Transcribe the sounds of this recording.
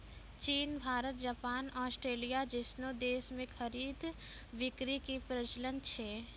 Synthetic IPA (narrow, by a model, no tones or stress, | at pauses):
t͡ʃiːnbʱaːɾət̪̚d͡ʒapaːnɔːsʈɾeːlijad͡ʒɪsnod̪eːsmẽxʰɐɾiːd̪ | ʋɪkɾikipɾət͡ʃlənt͡ʃʰɛː